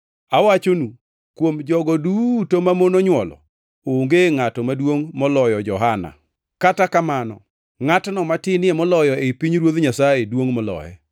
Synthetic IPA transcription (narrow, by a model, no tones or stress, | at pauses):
awat͡ʃonu | kwomd͡ʒɔɡɔdutomamonoɲwɔlɔ̰ | oŋɡeŋatɔmadwoŋmɔlɔjɔd͡ʒɔɦana̰ | katakamanɔ̰ | ŋatnɔmatɪnɪɛmɔlɔjɔepiɲɾwod̪ɲasajedwoŋmɔlɔ̰jɛ̰